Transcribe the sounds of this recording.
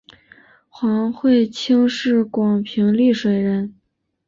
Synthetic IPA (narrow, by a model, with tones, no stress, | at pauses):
xwɑ˧˥ŋxwe˥˩ɪt͡ɕʰi˥ŋʂɻ̩˥˩kwɑ˨˩ŋpʰi˧˥ŋli˥˩ʂwe˨˩ɪɻə˧˥n